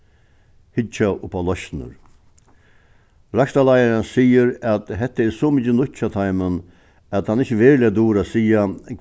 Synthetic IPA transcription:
hɪt͡ʃaʔʊpʰalɔʃnə̰ɾ | ɾakt̪alajaɾənsiːəɾæt̪ɦɛt̪ːəɛɾsɔmɪcːənʊtt͡ɕːat̪ʰaɪmən | æt̪hanɪçːəʋeːɾlɪad̪uːɾasiːa

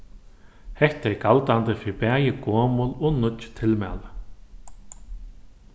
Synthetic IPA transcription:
hɛht̪aɛɾkalt̪ant̪ɪfɪpɛːjɪkɔːmʊlɔnʊt̪t͡ʃt̪ʰɪlmɛ̰ːlʏ

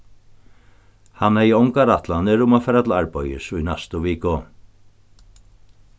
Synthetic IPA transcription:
hanhɛjɔŋkaɾat̪lanɪɾʊmafɛːɾat̪laɹpɔjɪ̰sujnɛst̪ʊviːkʊ

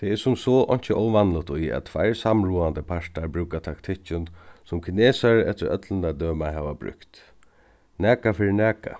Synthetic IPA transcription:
t̪ʰɛɛsʊmsɔʔɔ̰ɲ̥t͡ʃəʔɔwʋanlʊt̪ijɛ̰t̪t̪ːʰʋajɹsamɹuːand̪əpʰaʂt̪aɹbɾʉːkat̪ʰakt̪ʰɪht͡ʃʊnsʊmkʰɪneːsaɹɛt̪əɾœ̰t̪lənad̪øːmaɦɛːʋabɾʏ̰kt̪ | næːkafɪɾɪnæːka̰

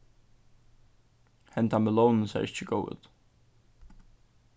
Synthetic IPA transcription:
hɛnt̪amɛlɔwnnsæ̰ɾʔɪt͡ɕːəɡoːwə̰t̪

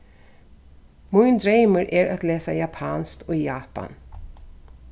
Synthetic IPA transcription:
mʊɪnd̪ɾeɪməɾʔɛɾat̪leːsajapʰɑːnst̪ʰɔjaːpa̰n

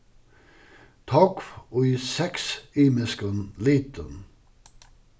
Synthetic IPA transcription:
t̪ʰɑkfɔisɛksiːməskənliːt̪ʰən

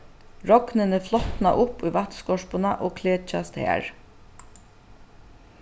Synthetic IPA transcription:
ɹɔknənəflɔt̪nɑ̰ʔʊpuːʋɑt̪skɔʂpʊnɑʔoːkʰleːt͡ʃɑst̪hæ̰ːɹ

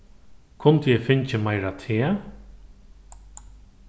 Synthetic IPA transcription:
kʰʊnt̪əjɛfɪɲt͡ʃəmajɾat̪ʰeː

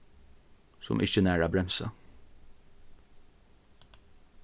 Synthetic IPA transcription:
sɔ̰mʔɪçənæːɹabɾɛmsa̰

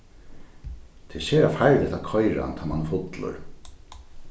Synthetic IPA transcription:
t̪ʰɛʃeːɾafajɾlɛht̪akʰɔjɾa̰nt̪ʰamanːfʊt̪lʊ̰ɹ

